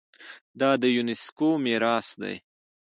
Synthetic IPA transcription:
d̪ɑd̪əjunɪskomeɾɑsd̪a̰j

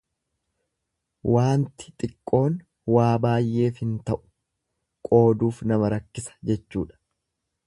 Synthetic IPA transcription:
waːnt̪ɪ̥t̪ʼɪkʼːo̞ːn | waːbaːjʔe̞ːfhɪnt̪ɐʔʊ̥ | kʼo̞ːd̪uːfnɐmɐɾɐkːɪsɐ̥d͡ʒɛt͡ʃːuːᶑɐ̥

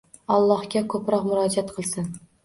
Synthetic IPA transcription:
ɒlˠːɒhɡʲakʰɵpɾɒqmʊɾɒd͡ʒat̪̚qʰɨlˠsɪn

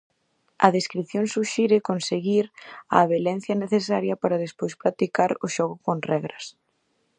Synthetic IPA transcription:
ɐ̰ðeskɾiθjoŋsuʃiɾɪkonseɣiɾɐ̰βelɛn̟θjɐneθesaɾjɐpaɾɐðespojspɾat̪ikaɾʊʃɔɣʊkoŋrɛɣɾɐs

